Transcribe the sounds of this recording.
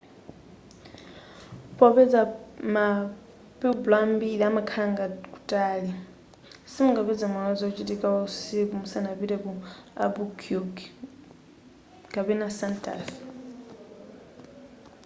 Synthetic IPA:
pʼɔpɛd͡zama | pɛublambilamakʰaŋɡakʼu̥tʼaːli | simuŋɡapɛd͡zamɔnad͡zɔut͡ʃʼitikʼawausikumusanapiɾɛkua̰bukʰuɡ | ɡ̥ʼapɛnasantʼa̰f

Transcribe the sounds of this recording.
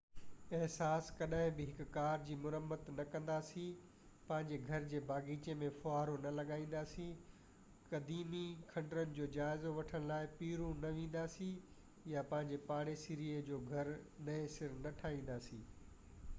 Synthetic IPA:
ɪɦsaːskɐɗaɦɪ̃bɪɦɪkkaːɾd͡ʑiːmʊɾəmːət̪nɐkɐ̃nd̪aːsĩ | pɐ̃ɦɪ̃ɲd͡ʑeɡʱɐɾd͡ʑeːbaːɡiːt͡ɕemẽfʊaːɾonɐlɐɠaːĩːn̆d̪aːsĩ | kɐd̪iːmikʰɐ̃ɳɖɾənɪ̆d͡ʑoːd͡ʑaːɪzoʋɐʈʰəɽ̃laːɪpiːɾũnɐʋẽːn̆d̪aːsĩ | japɐ̃ɦɪ̃ɲd͡ʑepaːɽ̃esɪɾied͡ʑoːɡʱɐɾnɐɪ̃sɪɾnɐʈʰaːĩːn̆d̪aːsiː

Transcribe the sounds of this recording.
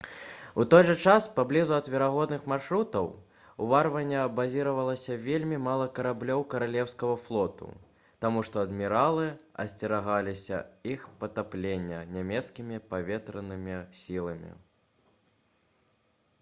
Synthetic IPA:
ut̪ɔjʐɐt͡ʂaspablʲizuɐd̪vʲɛɾaɣɔd̪nɨxmarʂɾut̪ɐw | uvarvɐnʲːɐɐbazʲiɾɐvɐlˠɐsʲɐvʲelʲmʲimalˠɐkɐɾablʲɔwkɐɾalʲɛwskɐɣɐflˠɔt̪ṵ | t̪amuʂt̪ɔɐd̪mʲiɾalˠɨɐ̰sʲt͡sʲɛɾaɣalʲisʲɐ̰ixpɐt̪aplʲenʲːɐnʲamʲɛt̪skʲimʲipavʲɛt̪ɾɐnɨmʲisʲilˠɐmʲḭ

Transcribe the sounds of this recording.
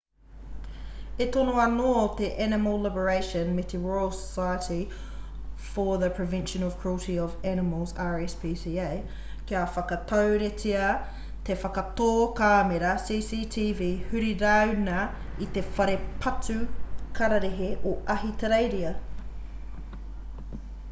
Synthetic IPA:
etonoɐnoːt̪eʔænɪməlˠlɪbəɹeɪʃə̃nmɪt̪ʰiɹɔəlˠsə̥saɪəti | fəðəpʰɹ̥əvɛ̃nʃə̃nɔv̥kʰɹ̥ulˠtiɔvænɪməlˠzaɹɛspʰiːsiːeɪ | kiafɐkɐt̪ʰəʊɾetʰiɐ | t̪ʰefɐkɐt̪oːkaːmeɾɐsiːsiːtʰiːviːhʉɾiɾawnɐ | it̪efɐɾepʰɐtʰʉkʰɐɾɐɾeɦeʔoʔɐɦit̪ʰɐɾeɪɾiɐ

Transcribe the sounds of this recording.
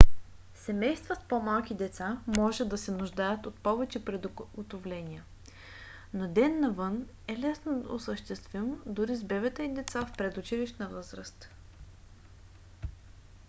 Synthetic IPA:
sɛmɛjst̪vəspomalˠk̟id̪ɛt̪samɔʒɛd̪ɐsɛnʊʒd̪ajət̪ot̪pɔvɛt͡ʃɛpɾɛd̪ɡot̪ovlɛnʲiə | nod̪ɛnːɐvɤn | ɛlɛsnod̪ɐʊsəʃt̪ɛst̪vimd̪ʊɾizbɛvɛt̪əid̪ɛt̪safpɾɛd̪ʊt͡ʃiliʃnəvɤzɾəst̪

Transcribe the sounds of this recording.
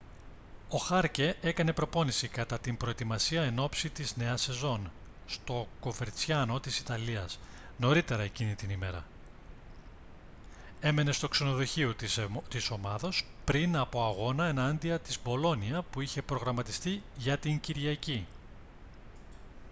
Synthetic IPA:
o̞xɐɾce̞ʔekɐne̞pɾo̞po̞nisikɐt̪ɐt̪impɾo̞et̪imɐsiɐe̞no̞psit̪izne̞ɐse̞zo̞n | st̪o̞ko̞veɾt͡sçɐno̞t̪isi̥t̪ɐliɐs | no̞ɾit̪e̞ɾɐe̞cinit̪inime̞ɾɐ̰ | e̞me̞ne̞st̪o̞kse̞no̞ðoçiot̪iso̞mɐðo̞s | pɾinɐpo̞ɐɣo̞nɐe̞nɐnd̪iɐt̪izbo̞lo̞niɐpuiçe̞pɾo̞ɣɾɐmɐt̪ist̪iʝɐt̪iɲciɾʝɐci

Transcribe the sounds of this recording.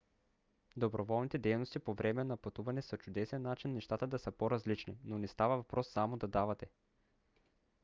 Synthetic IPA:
d̪obɾovɔlˠnit̪ɛd̪ɛjnost̪ipovɾɛmɛnɐpɐt̪uvɐnɛsət͡ʃʊd̪ɛsɛnːat͡ʃinːɛʃt̪at̪əd̪ɐsəpoɾɐzlit͡ʃninonist̪avɐvɐpɾɔsːamod̪ɐd̪avɐt̪ɛ

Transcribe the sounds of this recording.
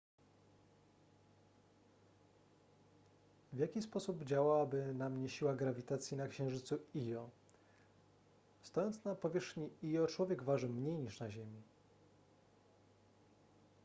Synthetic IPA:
vʲjakʲispɔsubd͡ʑawawabɘnamɲɛɕiwaɡɾavʲit̪at̪sʲjinakɕɛ̃ʐɘt̪suijɔ | st̪ɔjɔnt̪snapɔvʲjɛʂxɲiijɔt͡ʂwɔvʲjɛɡvaʐɘmɲejɲiʂnaʑemʲi

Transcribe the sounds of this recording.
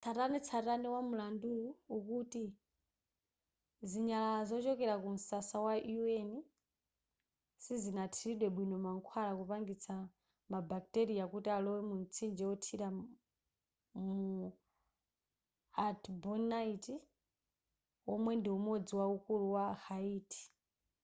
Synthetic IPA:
t͡sʰatanit͡sʰataniwamulanduuukuti | ziɲalazɔt͡ʃɔkɛɾakum̩sasawaueni | sizinatʰiɾiɗwɛɓwinɔmaŋkʰwalakupaŋɡit͡sʰa | mabak̚tɛɾijakutialɔwɛmun̩t͡sʰind͡ʒɛɔtʰiɾa | mu | atbɔnaiti | wɔmwɛndiumɔd͡ziwaukuluwahaiːti̥

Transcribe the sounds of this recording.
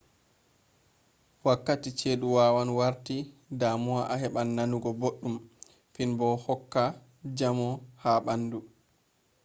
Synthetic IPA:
wakːatit͡ʃeːɗuwawanwaɾtidamuaʔaɦɛɓanːanuɡɔboɗːum | finbɔhɔkːa | d͡ʒamɔhaɓandu

